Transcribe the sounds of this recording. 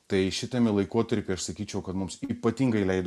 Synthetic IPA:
t̪ɐɪʃʲɪt̪ʲɛmʲɪlˠɐɪkuɔt̪ɐɾʲpʲɪɐʃsɐkʲiːt͡ʃʲɛʊkɐt̪mʊmsiːpɐt̪ʲiːŋɡɐɪlʲɛɪd̪

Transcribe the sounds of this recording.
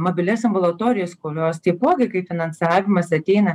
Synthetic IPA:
moːbʲɪlʲɛsmbʊlˠɐt̪oːɾʲɪjoːskoʊlʲoːst̪ɐɪpoːɡʲɐɪkɐɪpʲfʲɪnɐnsɑːʋʲɪmɐsɐt̪ʲɛɪnɐ

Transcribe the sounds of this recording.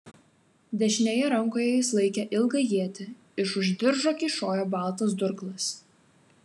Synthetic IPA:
d̪ʲɛʃʲnʲeːjɛɾɐŋˑkoːjɛjɪslˠɐɪkʲɛʔɪlˠɡɐjiɛt̪ʲɪ | ɪʃʊʒʲd̪ʲɪɾʒoːkʲiːʃoːjoːbɑˑlˠˑt̪ɐsd̪ʊɾklˠɐs

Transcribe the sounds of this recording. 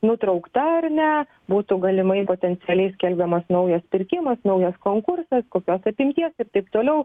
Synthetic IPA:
nʊt̪ɾɐʊkt̪ɐɐrnʲɛ | buːt̪ʊɡɐlʲɪmɐɪpoːt̪ʲɛnʲt̪sʲɪɛlʲɛɪsʲkʲɛlʲbʲd̪ʲɛmɐsnɐʊjɛspʲɪɾʲkʲɪmɐsnɐʊjɛskoːŋkʊrsɐskoːkʲoːsɐpʲɪmʲt̪ʲiɛsɪrt̪ɐɪpt̪oːlʲɛʊ

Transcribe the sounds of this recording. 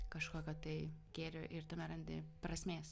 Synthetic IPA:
kɐʃkoːkʲot̪ɐɪɡʲeːɾʲoʔɪɾt̪ɐmʲɛɾɐnʲd̪ʲɪ̰pɾɐsʲmʲeːs

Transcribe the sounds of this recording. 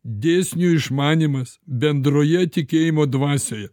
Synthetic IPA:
d̪ʲeːsʲnʲuːɪʃmɑːnʲiːmɐsbʲɛnd̪ɾoːjɛt̪ʲɪkʲeːjɪmoːd̪ʋɑːsʲeːjɛ

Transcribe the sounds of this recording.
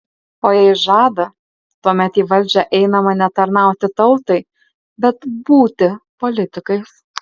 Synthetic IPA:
oːjɛɪʒɑːd̪ɐ | t̪uɔmʲɛt̪iːʋɐlʲˑd͡ʒʲɛʔɛɪnɐmɐnʲɛt̪ɐɾnɑˑʊt̪ʲɪt̪ɒʊlˠt̪ɐɪ | bʲɛt̪buːt̪ʲɪpɔlʲɪt̪ʲɪkɐɪs

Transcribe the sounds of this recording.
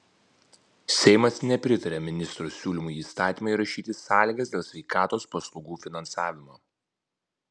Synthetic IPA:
sʲɛɪmɐsnʲɛpʲɾʲɪt̪ɐɾʲemʲɪnʲɪst̪ɾosʲuːlʲɪmʊiːst̪ɑːt̪ʲiːmɐɪɾɐʃʲiːt̪ʲɪsɑːlʲiːɡɐsd̪ʲeːlˠsʲʋʲɛɪkɑːt̪oːspɐslˠɔʊɡuːfʲɪnɐnsɑːʋʲɪmoː

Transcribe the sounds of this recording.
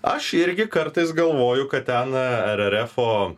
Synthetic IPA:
ɐʃɪɾʲɡʲɪkɐɾt̪ɐɪsɡɐlˠʋoːjʊkɐt̪̚t̪ʲɛnɛɾʲɛɾʲɛfoː

